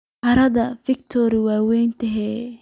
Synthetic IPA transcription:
ʔɐɾɐðɐfɪk̚t̪ʰɔɾɪwaːwɛjnt̪ʰɛɦɛ

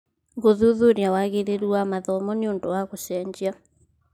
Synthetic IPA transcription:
ɣoðuðoɾjawaɣeɾeɾuamaðɔmɔneondowaɣosɛɲd͡ʑa

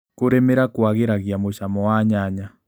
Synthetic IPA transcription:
koɾemeɾakwaɣeɾaɣjamoʃamɔwaɲaɲa

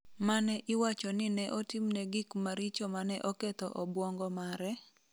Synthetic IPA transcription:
manɛʔɪwat͡ʃɔnɪnɛʔɔtimnɛɡɪkmaɾit͡ʃomanɛʔɔkɛt̪ɔʔɔbwɔŋɡɔmaɾɛ

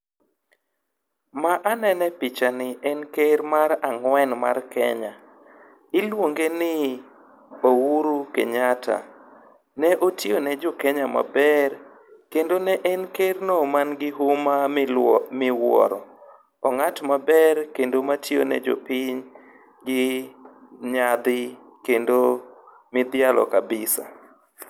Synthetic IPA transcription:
maʔanɛnɛpɪt͡ʃanɪʔɛnkeɾmaɾaŋwɛnma̰rkɛ̰ɲa | ɪlwoŋɡenɪ | owuɾukeɲatʰa̰ | nɛʔotjonɛd͡ʒɔkɛɲama̰bɛɾ | kendonɛʔɛnkernomanɡɪɦʊma | mɪwɔ̰ɾɔ̰ | ɔŋatmabɛɾkendomatjo̰nɛ̰d͡ʒo̰pɪɲ | ɡɪ | ɲad̪ɪ | kendo | mɪd̪ɪalɔ̰kabɪsa̰

